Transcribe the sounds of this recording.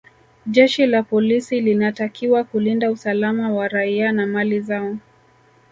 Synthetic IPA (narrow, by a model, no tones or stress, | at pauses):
ʄɛʃilapɔlisilinatakʰiwakulindausalamawaɾaianamalizaɔ